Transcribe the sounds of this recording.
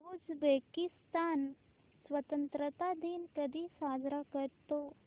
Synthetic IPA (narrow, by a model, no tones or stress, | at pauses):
ud͡zbekist̪aːn | sʋət̪ənt̪ɾət̪ad̪iːnkəd̪ʱisaːd͡ʒɾakəɾt̪o